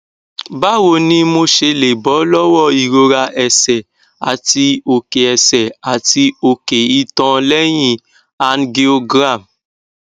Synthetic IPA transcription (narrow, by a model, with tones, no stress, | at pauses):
ba˦wo˧nĩ˦mo˧ʃe˧le˨bɔ˨˦lɔ˦wɔ˦˨i˨ɾo˧ɾa˧ʔɛ˨sɛ˨ | a̰˨ti˧o˨ke˨ɛ˨sɛ˨a˨ti˧o˨ke˨i˦tɔ̃˧lɛ˦j̃ĩ˦˨ | a˨nɡe˧o˧ɡɾa˦˨m